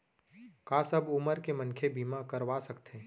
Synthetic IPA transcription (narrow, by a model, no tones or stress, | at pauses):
kaːsɐbʊməɾkemɐ̃nkʰebʱiːmakɐɾʋaːsɐkt̪ẽː